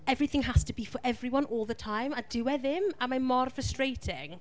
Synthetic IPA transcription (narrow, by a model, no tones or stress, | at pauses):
ɛvɹiθɪ̃ŋɦastʰəbifɔɹʔɛvriwʌ̃nʔɔːlˠðətʰajmadɪwɛðɪmamamɔrfɹəstɹ̥ejtʰɪŋ